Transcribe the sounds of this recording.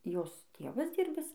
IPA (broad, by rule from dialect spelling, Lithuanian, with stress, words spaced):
ˈjoːs ˈtʲeːʋɐs ˈdʲiːrʲbʲɪs